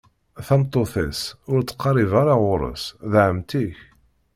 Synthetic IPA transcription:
θɑmt̪ˤːoθæ̰sʊɾt͡sːqːɑrˤivaɾɑʁʊɾˤə̰sðʕəmt̪iç

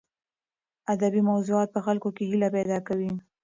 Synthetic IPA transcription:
ad̪abimawzuɑt̪̚pəxalkokehilapɛd̪ɑkawi

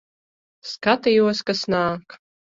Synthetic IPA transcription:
skat̪ajuɔskasnaːk

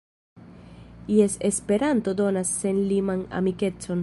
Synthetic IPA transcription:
iese̞spe̞ɾanto̞do̞nasːe̞nlimana̰mike̞t͡so̞n

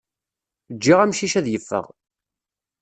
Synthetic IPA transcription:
d͡ʒːiʁæmʃiʃæðjəfːə̰ʁ

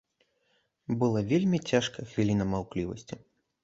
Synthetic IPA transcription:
bɨlˠavʲelʲmʲit͡sʲaʂkɐxvʲilʲinɐmawklʲivɐ̰sʲt͡sʲi

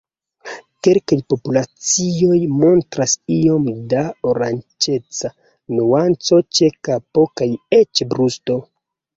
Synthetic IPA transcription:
ke̞lkajpo̞pulat͡sio̞jmo̞ntɾasio̞mdaoɾant͡ʃe̞t͡sa | nuant͡so̞t͡ʃe̞kapo̞kaje̞t͡ʃbɾusto̞

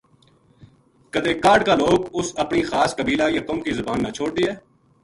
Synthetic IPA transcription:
kəd̪eːkaːɖkaːloːɡʊsəpniːxaːskəbiːlaːjat̪oːmkizʊbaːnːat͡ʃʰoːɽ̚d̪iːɛː

